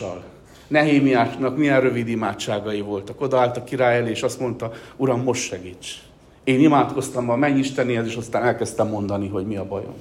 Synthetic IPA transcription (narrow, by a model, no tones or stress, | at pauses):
ɒ̰l | nɛɦeːmijaːʃnɒkmiɛnrø̞vid̪imaːtt͡ʃːaːɡɒjivo̞lt̪ɒko̞d̪ɒaːlt̪ɒkːiɾaːjɛleːʃɒst̪mo̞n̪t̪ɒuɾɒmːo̞ʃt̪ʃɛɡiːt͡ʃ | eːnimaːt̪ko̞st̪ɒmbɒmɛɲːiʃt̪ɛniɛt̪eːʃɒst̪aːnɛlkɛst̪ɛmːo̞nd̪ɒniɦo̞ɟmiɒbɒ̰jo̰m